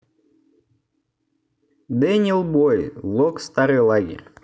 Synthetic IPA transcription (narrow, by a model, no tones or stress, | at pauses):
d̪ɛnʲilˠbojvlˠokst̪aɾɨjlˠaɡʲḛrʲ